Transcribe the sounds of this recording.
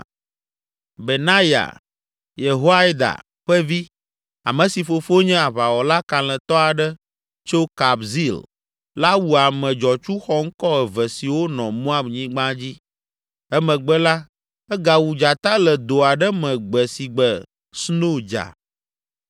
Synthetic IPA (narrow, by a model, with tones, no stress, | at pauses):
be˨nã˦ja̰˨ | je˨ɦo˦a˦jd̪a̰˨ | ɸɛ˦vi˦ | a̰˨mɛ̃˨si˨fo˨fo˦ɲɛ̃˦a˨βa˨wɔ˨la˦kã˨lɛ̃˨t̪ɔ˦a˨ɖɛ˦ | t͡ʃo˦ka˨bzi˦l | la˦wu˨a˨mɛ̃˨d͡ʒɔ˨t͡ʃu˦xɔ˦ŋ̩˦kɔ˦ɛ˨vɛ˨si˨wo˦nɔ̃˨mɔ̃˦a˦bɲĩ˦ɡ͡bã˦d͡ʑi˦ | ɛ˦mɛ̃˨ɡ͡bɛ˦la˦ | ɛ˦ɡa˨wu˨d͡ʒa˨t̪a˦lɛ˨d̪o˨a˨ɖɛ˦mɛ̃˨ɡ͡bɛ˨si˨ɡ͡bɛ˨ | sno˦d͡ʒa̰˨